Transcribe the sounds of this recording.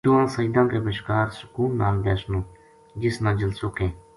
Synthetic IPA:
t̪uãːsəid̪ãːkebəʃkaːɾsʊ̥kuːlna̰ːlb̪ɛːsnũː | d͡ʒɪsnãːd͡ʒɪlsukẽː

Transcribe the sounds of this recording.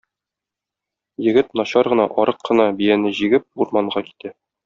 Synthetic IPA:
jɘ̆ɡɘt̪nɒɕɑɾʁɤ̆nɑʔɒɾɤqʰːɤ̆nɑbijænɘʑiɡɘp̚uɾmɑɴɢɑki̥t̪æ

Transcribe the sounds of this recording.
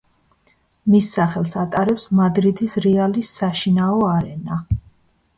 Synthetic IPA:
misːaχɛlˠsat̪ʼaɾɛpsmad̪ɾid̪isɾɛalisaʃinaɔaɾɛna

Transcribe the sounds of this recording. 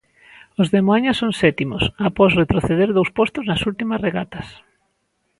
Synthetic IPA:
ozðemoaɲasːoŋsɛt̪imosapɔsret̪ɾoθeðeɾðowspɔst̪oznɐsult̪imɐsreɣat̪ɐs

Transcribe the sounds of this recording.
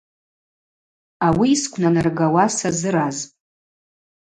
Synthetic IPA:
awiːskʷʰnanarɡawasazɨɾaz

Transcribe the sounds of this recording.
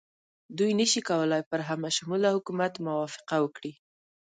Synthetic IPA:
d̪ujnəʃikawəlajpəɾɦamaʃʊmulahʊkumat̪mʊwɑfɪ̥qawəkɽi

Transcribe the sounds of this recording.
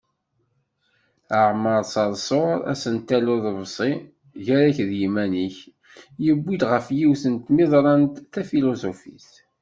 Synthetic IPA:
əʕməɾˤsɑɾˤsˤoɾˤæ̰sənt̪ːælʊðvsˤi | ʝæɾæçðjimæniç | jəbʷːid̪ʁəfjiwθənt̪miðˤɾˤɑnt̪θæfilosofḭs

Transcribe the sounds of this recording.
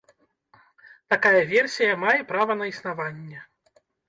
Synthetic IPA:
t̪akajɐvʲɛrsʲijɐmajɛpɾavɐnɐisnavanʲːɛ

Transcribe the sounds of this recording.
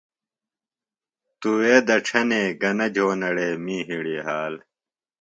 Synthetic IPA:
t̪uweːd̪ɐʈ͡ʂʰɐneːɡɐnɐd͡ʑʱoːnɐɽeːmiːɦiɽiɦaːl

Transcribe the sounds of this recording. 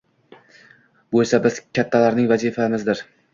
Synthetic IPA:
bolsabɪzkʲʰat̪ʰːalaɾnɪŋvazifamɪzd̪ɪɾ

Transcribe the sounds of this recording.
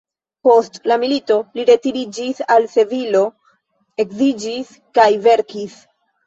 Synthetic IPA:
po̞stlamilito̞liɾe̞tiɾid͡ʒisalse̞vilo̞ | e̞kzid͡ʒis | kajve̞ɾkis

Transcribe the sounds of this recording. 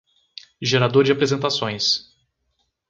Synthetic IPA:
ʒeɾad̪oɾd͡ʒɪapɾezẽnt̪asõj̃s

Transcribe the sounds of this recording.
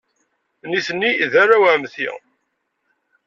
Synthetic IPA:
niθənːiðaɾawæmθḭ

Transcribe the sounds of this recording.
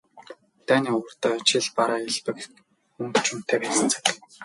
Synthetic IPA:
t̪æːniːʊwə̆rt̪œːt͡ɕʰɪɮpaɾaːeɮpɘ̆k | ɵmkt͡ɕʰʊm̥t̪ʰeːpæə̆nt͡sʰḁ̆k̆

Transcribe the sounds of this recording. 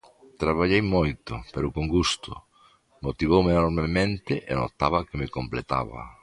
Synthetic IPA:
t̪ɾaβaʎejmojt̪ʊpeɾʊkoŋɡust̪ʊ̰ | mot̪iβowmenoɾmemẽnt̪ɪʔeno̰t̪aβakɪmekomplet̪a̰βɐ̰

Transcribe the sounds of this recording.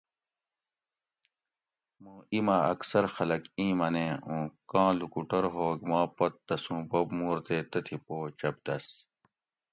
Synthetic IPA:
moːimaɐksɐɾxɐlɐkĩːmɐnẽːũːkãːlukuʈɐɾɦoːɡmãːpɐt̪ːɐsũːbobmuːɾt̪eːt̪ɐt̪ʰipoːt͡ɕɐb̚d̪ɐs

